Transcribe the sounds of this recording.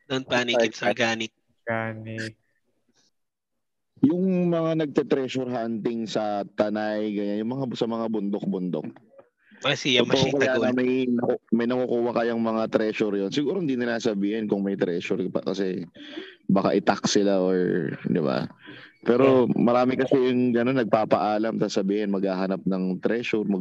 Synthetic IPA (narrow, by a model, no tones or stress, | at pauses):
d̪onpanikɪt̪sɐɡaːnɪt̪̚ | ɡaːnɪ | jʊŋmɐŋanɐɡ̚t̪ɛt̪ɾɛʃoɾɦant̪ɪŋsɐt̪ɐnajɡɐɲanjʊŋmɐŋasɐmɐŋabʊnd̪ok̚bʊnd̪o̰k̚ | ɐsijɐookɐjaːɐmɐjnɐkmɐjnɐkokuːwɐkɐjaŋmɐŋat̪ɾɛːʃoɾjonsɪɡuːɾoɪnd̪inɪnlasɐbiːhɛnkʊŋmɐjt̪ɾɛːʃʊɾɐ̰kɐsɛ | baka̰ʔɪt̪ak̚sɪlaʔoɹd̪ɪ̰ba̰pɛːɾomɐɾaːmɪkɐsɛjʊŋɡɐno̞nːɐɡ̚paːpɐʔaːlɐmsɐsɐbiːhɛnmɐɡhaːɦɐnap̚nɐŋt̪ɾɛʃʊɾmɐ